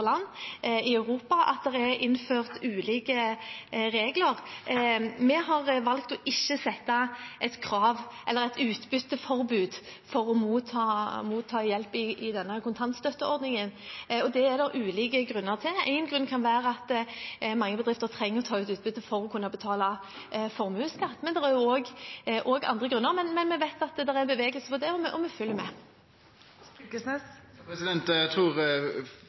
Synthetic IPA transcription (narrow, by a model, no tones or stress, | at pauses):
lɑnːɪɑʉʁuːpɑʔɑ̰t̪̚d̪ɛʁɛɾʔɪnːføːʁt̪ʉːliːkə | ɾeːɡləʁ | mɛɦɑʁʋɑlkt̪ɔʔɪçːəsɛt̪ːɑʔɛt̪kʰɾɑːʋʔɛlːəɾɛt̪ʉːt̪bʏt̪ːəfɔɾbʉːd̪fɔɾɔmuːt̪ʰɑːmuːt̪ʰːɑːjɛlpɪɪd̪ɛnːəkʰʊnt̪ʰɑnt̪st̪œt̪ːəɔɾd̪nɪŋənɔd̪ɛɛd̪ɛɾʔʉːliːkəɡʁʉnːəʁt̪ʰɪæ̰ɪnɡɾʉnkʰɑnʋæːɾəɑt̪mɑŋːəbəd̪ɾʁɪft̪əʁt̪ʰɾɛŋːəʁɔt̪ʰɑːʉːt̪ʉːt̪̚bʏd̪əfɔɾɔkʰʉnːɑbət̪ʰɑːlɑ | fɔʁmʉːskɑt̪ːmɛnd̪ɛɾæʁjʊoːɡʔɔːɡɑ̰nd̪ʁəɡʁʉnːəʁmɛnmɛnmɛʋæɪt̪ɑt̪d̪ɛʁænbəʋeːɡəlsəpʰɔd̪ɛɔmɛʔɔmɛfʏljəmɛ̰ | sɛsɛsɪd̪ɛnt̪æt̪ʰɾuːʁ